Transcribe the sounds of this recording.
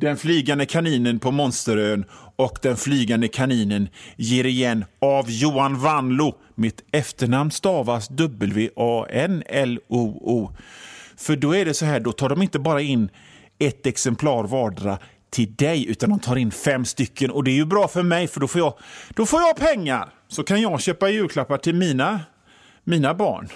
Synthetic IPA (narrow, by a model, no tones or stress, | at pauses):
d̪ɛnflyːɡand̪əkʰaniːnənpʰɔmɔnst̪əɾøːnɔkd̪ɛnflyːɡand̪əkʰaniːnənjeːɾɪjɛnːavjuːanvanlʊ | mɪt̪ɛft̪əɳamnst̪ɑːvasd̪ɵbːəlveːʔɑːɛnɛluːuː | fœɖɔæɖɛsɔɦæːɖɔt̪ʰɑːɖɔmɪnt̪əbɑːɾaɪnː | ɛt̪ɛksɛmpʰlɑːɾvɑːɖɾa̰ | t̪ʰɪld̪ɛjʉ̟ːt̪and̪ɔmt̪ʰɑːɾɪnːfɛmːst̪ʏkʰːənɔd̪ɛɛɾjɵbɾɑːfœɾmɛjfœɖɔfoːjɑd̪̥ɔfoːjɑɡpʰɛŋːa̰ɾ | sɔkʰanjɑɡɕøːpajʉ̟ːkʰlapːaʈʰɪlmiːna | miːnabɑ̰ːɳ